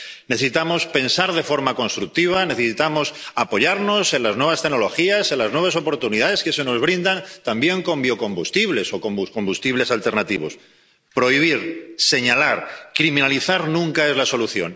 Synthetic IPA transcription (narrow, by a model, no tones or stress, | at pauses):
neθesit̪amo̞spe̞nsaɾð̞e̞fo̞ɾmako̞nst̪ɾuk̚t̪iβ̞ane̞θesit̪amo̞sapo̞ʝaɾno̞se̞nlaznwe̞β̞ast̪e̞ɣno̞lo̞xiase̞nlaznwe̞βaso̞po̞ɾt̪uniðaðe̞ske̞se̞no̞zβ̞ɾind̪ant̪ambje̞ŋko̞mbio̞ko̞mbust̪iβle̞so̞ko̞mbusko̞mbust̪iβle̞salt̪e̞ɾnat̪iβ̞o̞̰s | pɾo̞iβ̞iɾse̞ɲalaɾkɾimĩnaliθaɾnũŋkae̞zlaso̞luθjo̞̰n